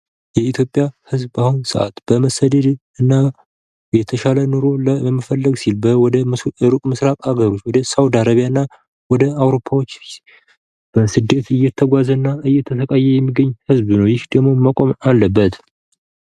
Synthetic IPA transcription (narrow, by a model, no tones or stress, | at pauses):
jɛit̪ʰjopʼːjahɨzbahunsə̰ʔa̰t̪b̥əməsəd̪ed̪ | ɨnːa | jɛt̪ʰəʃalənuɾo̞ləɛmːəfəlːəɡsilbəwɔd̪əɨɾukʼmɨsɾafʼaɡəɾo̞t͡ʃːwɔd̪əsawd̪aɾaβijaɨnːa | wɔd̪əawɾo̞pʰːawot͡ʃː | b̥əsɨd̪ːe̞t̪ɨjɛt̪ʰːəɡʷazənːaɨjːɛt̪ʰəsəkʼajːɛjɛmːiɡəɲːhɨzbnəwjɪhd̪əɡmo̞makʼo̞malːəbːət̪